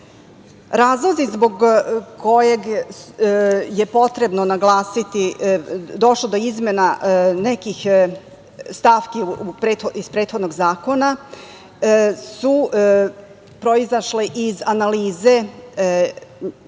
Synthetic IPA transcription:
ɾaːzlˠozizboɡkʰo̞jeɡ | je̞po̞t̪ɾe̞bnonaɡlˠaːsit̪i | d̪o̞ʃlˠod̪o̞izmenanekix | st̪afkipɾeːt̪xoizpɾeːt̪xo̞d̪noɡzaːko̞na | su | pɾoizaʃleʔizanaliːze̞

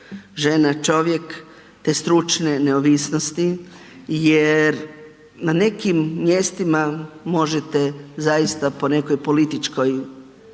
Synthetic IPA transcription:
ʒe̞nat͡ʃo̞ʋjek | t̪e̞ːst̪ɾut͡ʃneneoʋisnost̪i | jeɾ | nane̞kimːje̞st̪imamo̞ʒet̪e̞zajist̪apo̞ne̞ko̞jpo̞lit̪it͡ʃko̞j

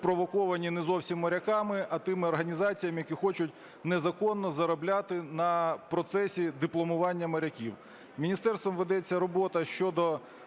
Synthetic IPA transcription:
pɾɔʋɔkɔʋɐnʲinɛzɔwsʲimːɐɾʲɐkɑmɪʔɐt̪ɪmɪɔrɦɐnʲizɑt͡sʲijɐmɪjɐkʲixɔt͡ʃʊtʲ | nɛzɐkɔnːɔzɐɾɔblʲat̪ɪnɐpɾɔt̪sɛsʲid̪ɪplˠɔmʊʋɑnʲːɐmɐɾʲɐkʲiw | mʲinʲist̪ɛrst̪ʋɔmʋed̪ɛt͡sʲːɐɾɔbɔt̪ɐʃt͡ʃɔd̪ɔ

